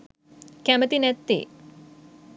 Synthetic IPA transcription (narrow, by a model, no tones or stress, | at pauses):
kæmət̪inæt̪ːḭː